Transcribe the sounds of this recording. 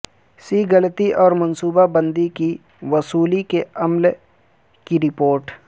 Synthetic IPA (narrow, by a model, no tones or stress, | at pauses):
siːɡɐlt̪iʔɔːɾmɐnsuːbabə̃nd̪iki | ʋɐsuːlikeɐml | kiɾɪpoːɾʈ